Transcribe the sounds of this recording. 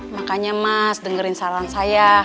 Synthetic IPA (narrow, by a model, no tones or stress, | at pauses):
makaɲamasdəŋəɾɪnsaɾaansaja